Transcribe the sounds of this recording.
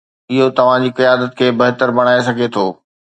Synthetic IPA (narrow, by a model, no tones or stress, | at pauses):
ɪɦot̪ɐʋ̤ãd͡ʑiːkijaːd̪ət̪̚kʰeːbɐɦt̪əɾbɐɽ̃aːes̬ɐɡʱet̪ʰoː